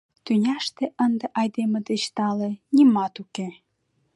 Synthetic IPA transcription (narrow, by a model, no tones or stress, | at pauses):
t̪ynʲɑʃt̪eʔənd̪eʔɑjd̪eməd̪et͡ɕt̪ɑlenʲimɑt̪uke